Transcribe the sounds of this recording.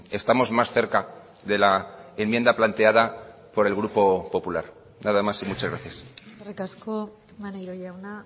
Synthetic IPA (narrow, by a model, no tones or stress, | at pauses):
e̞st̪amo̞zmasθe̞ɾka | ðe̞laemje̞nd̪aplant̪e̞aða | po̞ɾe̞lɣɾupo̞po̞pulaɾ | naðamasimut͡ʃazɣɾaθjasrikasko | manajɾoʎawna